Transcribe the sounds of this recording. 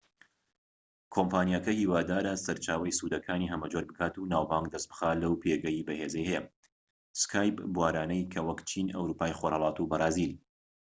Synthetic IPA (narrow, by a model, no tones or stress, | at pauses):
kʰompʰaːnijakɐhiːwaːd̪aːɾɐsɐɾt͡ʃaːwɐjsuːd̪ɐkʰaːniɦɐmɐd͡ʒoɾbɨkʰaːt̪unaːwbaŋɡd̪ɐsbɨ̥xaːlɐwpʰeːɡɐjibɐhezɐjhɛjɛ | skʰaːjpbuwaːɾaːnɐjkʰɐwɐkt͡ʃʰiːnɐ̰wɾuːpaːjxoːɾhɐlˠɑːt̪ubɐrˤɑːziːdi